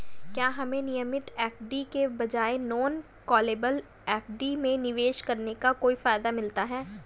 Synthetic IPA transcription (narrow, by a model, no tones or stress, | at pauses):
kjaːɦɐmẽnɪjəmɪt̪ɛːpʰɖikebɐd͡ʒaːenɔːn | kɔːleːbəl | ɛːpʰɖimẽnɪʋeːʃkɐɾnekakoːifaːɪd̪amɪlt̪aɦɛː